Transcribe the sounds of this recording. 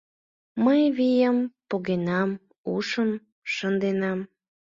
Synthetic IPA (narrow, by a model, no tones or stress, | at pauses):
məjβijəmpoɣenɑm | uʃəm | ʃənd̪enɑm